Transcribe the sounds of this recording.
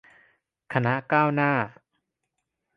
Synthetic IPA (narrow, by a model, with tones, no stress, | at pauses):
kʰa˧na˦˥ʔkaː˥˩wnaː˥˩